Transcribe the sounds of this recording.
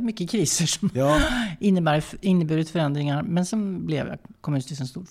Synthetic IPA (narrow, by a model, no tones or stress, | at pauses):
mʏkːəkʰɾiːsəʂɔm | ɪnːəbæːɾɪnːəbʉːd̪ət̪fœɾɛnd̪ɾɪŋaɾmɛnsɔmblɛ̰ʋ̰kʰɔmʉnt̪ɪsɛnst̪uːɾ